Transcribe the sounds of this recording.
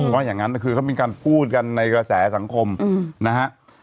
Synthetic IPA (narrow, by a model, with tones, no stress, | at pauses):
waː˥˩jaː˨˩ŋa˦˥nː˧˩kʰɯː˧kʰa˥˩meː˧kaː˧npʰuː˥˩t̪̚ka˧nːa˧jkɾa˧sɛː˩˦sa˩˦ŋkʰo˧mna˦˥ha˦˥ʔ